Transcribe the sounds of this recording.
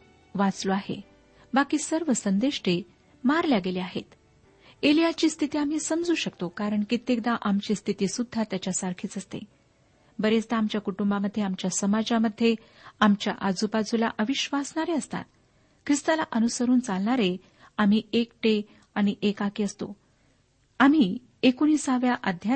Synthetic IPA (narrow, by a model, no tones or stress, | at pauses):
ʋat͡sloaɦḛ | bakiːsəɾʋəsənd̪eɕʈe | maɾljaɡeleaɦet̪ | elijat͡ɕiːst̪ʰit̪iːam̤iːsəmd͡zuːɕəkt̪okaɾəɳkit̪ːek̚d̪aʔamt͡ɕiːst̪ʰit̪iːsud̪ʱːat̪jat͡ɕjasaɾkʰiːt͡səst̪ḛ | bəɾet͡sd̪aːmt͡ɕjakuʈumbaməd̪ʱːjeamt͡ɕjasəmad͡zaməd̪ʱːje | amt͡ɕja̰ʔad͡zupad͡zula̰ʔəʋiɕʋasɳaɾeəst̪a̰t̪ | kʰɾist̪alaʔənusəɾuːnt͡salɳaɾe | am̤iːekʈe | aɽ̃iʔekakiəst̪o̰ | am̤iː | ekuniːsaʋjaʔad̪ʱja